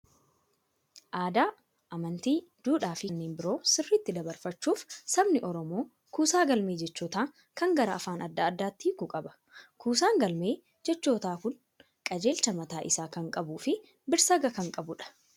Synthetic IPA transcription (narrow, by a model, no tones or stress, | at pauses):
ʔaːd̪aː | ʔɐmɐnt̪iːd̪̥uːᶑaːfɪnːeːnbɪɾo̞ːsɪrːɪt̪ːɪd̪ɐbɐɾfɐt͡ʃːuːfsɐbnɪʔɔɾɔmo̞ː | kuːsaːɡɐlme̞ːd͡ʒɛt͡ʃːoːt̪aː | kɐŋɡɐɾɐːfaːnʔɐd̪ːɐːd̪ːaːt̪ːiːkʊkʼɐbɐ̥ | kuːsaːŋɡɐlme̞ː | d͡ʒɛt͡ʃːo̞ːt̪aːkʊn | kʼɐd͡ʒe̞ːlt͡ʃɐmɐt̪aːʔɪsaːkɐŋkʼɐbuːfɪ | bɪɾsɐɡɐkɐŋkʼɐbʊᶑɐ̥